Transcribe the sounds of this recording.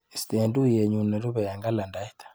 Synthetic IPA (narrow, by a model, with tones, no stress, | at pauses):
st̪e˨ndu˦je˨ɲu˨nɛ˨ɾu˦βɛ˨ja˨ŋɡa˦la˨nda˦i˦t̪ḁ˨